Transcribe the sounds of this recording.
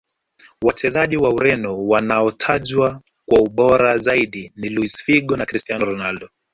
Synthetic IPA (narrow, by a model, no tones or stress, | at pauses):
wat͡ʃɛzaʄiwauɾɛnɔwanaɔtʰaʄwa | kwauɓɔɾazaiɗiniluisfiɠɔnakɾistianɔɾɔnaldɔ